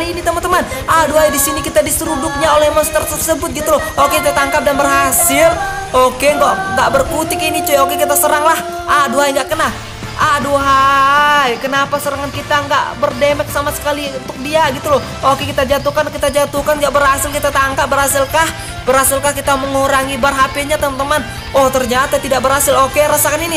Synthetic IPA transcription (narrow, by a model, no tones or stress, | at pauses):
liːnit̪əmənt̪əman | ʔaduɦajdisinikit̪adisəɾudʊk̚ɲaolɛhmɔst̪ərt̪ərsəbʊt̪̚ɡit̪ulɔokekit̪aːŋkap̚danbərɦasɪlokeŋɡaʔŋɡaʔbərkut̪ɪkinit͡ʃuokekit̪asəɾaŋlah | ʔaduɦajŋɡaʔkəna | ʔaduɦajkənapasəɾaŋankit̪aŋɡa̰ʔbərdemɛk̚samasə̥kaliunt̪ʊk̚diaɡit̪ulɔh | okekit̪ad͡ʒat̪ukankit̪ad͡ʒat̪ukanɡaʔbərhasɪlkit̪at̪aŋkap̚bərhas̬ɪlkah | bərhasɪlkahkit̪aməŋuɾaŋibarɦapiɲat̪əmant̪əman | ɔht̪ərɲat̪at̪idaʔbərhasɪlokeɾasakanini